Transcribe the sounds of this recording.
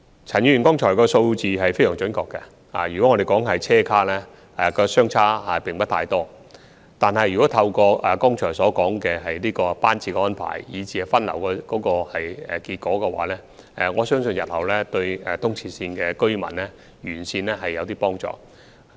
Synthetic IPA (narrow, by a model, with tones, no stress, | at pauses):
t͡sʰɐ˨˩njyː˨˧y˨˩kɔː˥ŋt͡ʃʰɔː˨˩jkɔː˧so˧wt͡siː˨ɦɐ˨jfe˥jsœː˨˩ŋt͡ʃɵ˨˥nkɔː˧kːɛ˧ | aː˨˩jyː˨kɔ˨˦˥ŋɔ˨˧ɾe˨jkɔː˨˥ŋɦɐ˨jt͡sʰɛː˥kʰaː˥lɛː˥ | ɛ˨˩kɔː˧sœː˥ŋt͡sʰaː˥a˨pɪ˨ŋpɐ˥t̪ʰaː˧jt̪ɔː˥ | t̪aː˨nhɐ˨jy˨kɔ˨˥t̪ʰɐ˧wkɔː˧ʔɐ˨˩kɔː˥ŋt͡ʃʰɔː˨˩jsɔː˨˥kɔː˨˥ŋkɛ˧ɦɐ˨jliː˥kɔː˧paː˥nt͡siː˧kɛː˧ɔː˥npʰa̰ː˨˩jːiː˨˧t͡siː˧˩ɐ˨˩fɐ˥nlɐ˨˩wkɔː˧kɔː˨˥kɔː˧hɐ˨jɛ̰˨˩kiː˧t̚kɔː˨˥kɛ˧wa̰ː˨˥lɛː˥ | ɛ˨ŋɔː˨˧sœː˥ŋsɵ˧njɐ˨t̚hɐ˨˩wlɛː˥t̪ɵ˧ɥɛ˨t̪ʰʊ˥ŋt͡sʰiː˧siː˧nkɛː˧kɵ˥ɥmɐ̰˨˩nlɛː˥ | jyː˨˩nsiː˧nlɛː˥ɦɐ˨jːɐ˨˧wt̪iː˥pɔː˥ŋt͡ʃɔ̰ː˨˩